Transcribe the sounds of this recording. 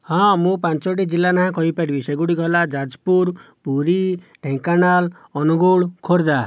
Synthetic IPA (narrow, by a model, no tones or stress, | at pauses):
hɔ̃mũpãnt͡ʃoɽid͡ʒilːanaɦãkɔɦipaɽibiseɡuɽiɡɔlad͡ʒad͡ʒpuɾ | puɾi | ɖʱẽŋkanal | ɔnuɡuɭkʰoɾd̪a